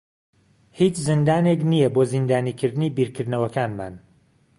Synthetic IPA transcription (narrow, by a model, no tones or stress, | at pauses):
hiːt͡ʃzɨnd̪aːnek̬nijɐboːzind̪aːniːkʰɨɾd̪ɨniːbiːɾkʰɨɾd̪nɐwɐkaːnma̰ːn